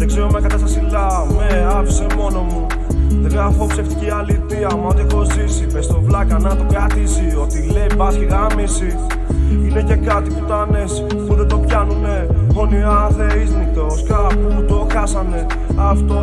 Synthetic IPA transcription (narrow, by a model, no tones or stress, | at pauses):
ðekseɾomekɐt̪ɐsɐsilɐ | meɐfisemo̞no̞mu | ɣɾafopseft̪i̥cialit̪iɐmot̪iko̞zisipest̪o̞vlɐkɐnɐt̪okɾat̪izio̞t̪ileipɐsçiɣamisi | ine̞ce̞kɐt̪iput̪oane̞si̥ | xud̪et̪o̞pçɐnune̞oniɐθeɾiznit̪oskapumut̪o̞kɐsɐne̞ | ɐft̪o̞